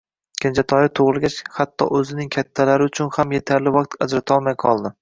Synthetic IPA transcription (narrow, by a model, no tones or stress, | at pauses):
kʲʰɪnt͡ʃʰat̪ʰɒjɪt̪ʰoʁɨlˠɡʲat͡ʃhat̪ʰːɒ̰ʔɵzɪnɪŋkʲʰat̪ʰːalaɾɪʊt͡ʃʰʊnhamjet̪ʰaɾlɪvaq̚t̪ʰad͡ʒɾat̪ʰɒlˠmajqʰɒlˠd̪ɪ